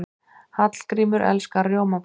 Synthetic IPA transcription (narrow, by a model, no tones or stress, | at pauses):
hat̪l̥kɾiːmʏɾʔɛ̰lskarjoːwmap